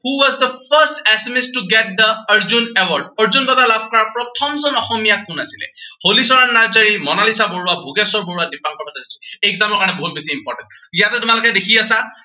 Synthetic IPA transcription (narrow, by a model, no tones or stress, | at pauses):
huwɔzd̪əpʰəstɛsmistuɡɛt̚d̪əəɹzunɛwɔɹdəɹzunbɔtalabʱkɔɹaɹpɹɔtʰɔmzɔnɔxɔmijakʊnasilɛ̰holisɔɹanaɹzəɹimɔnalisaboɹuabʱuɡɛsɔɹboɹuadipaŋkɔbatazituɛɡzamɔɹkaɹɔnɛboɦut̚besiimpɔɹtɛ̃ntijatɛtʊmalʊkɛdekʰiasa